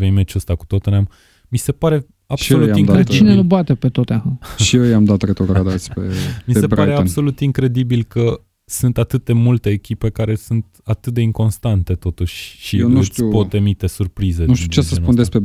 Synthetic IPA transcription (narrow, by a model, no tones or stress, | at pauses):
vejmet͡ʃuəst̪aku̥t̪ot̪onam | mise̞paɾe̞ | abʃso̞ujaimŋd̪kaɾed̪t͡ʃit͡ʃinenuboat̪epet̪ot̪aɦaʃiejamd̪at̪ɾet̪ɾot̪ɾad̪at̪sʲpḛmiese̞bɾaɾe̞anb̪so̞lut̪iŋkɾe̞d̪ibilkə | sunt̪at̪ɨt̪̚d̪e̞mult̪e̞ːkʲipe̞kaɾe̞sunt̪at̪ɨt̪̚d̪e̞iŋko̞nst̪ant̪e̞t̪o̞t̪uʃʲʃineʃt̪supot̪emit̪e̞surpɾized̪nuʃt̪iiut͡ʃesəsnund̪espɾe